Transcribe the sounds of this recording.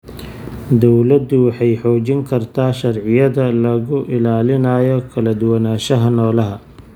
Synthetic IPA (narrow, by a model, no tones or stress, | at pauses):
d̪ɔwlɐd̪ʊwɑħɑjħɔːt͡ʃɪŋkʰɐrt̪ʰaːʃɐrʕɪjɐðɐlɐɣʊʔɪlaːlɪnaːjɔkʰɐlɐd̪ʊwɐnaːʃɐɦɐnɔːlɐɦɐ